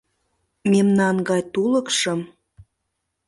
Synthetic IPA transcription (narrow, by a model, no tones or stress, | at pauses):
memnɑnɡɑjt̪ulə̆kʃə̆m